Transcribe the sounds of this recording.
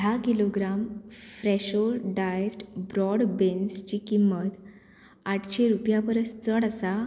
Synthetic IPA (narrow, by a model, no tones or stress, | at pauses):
ɖʱakiloɡɾamfɾeɕolɖaesʈbɾɔɽbenst͡ɕikimːət̪ | aʈʰɕeɾupjapəɾəst͡səɽasa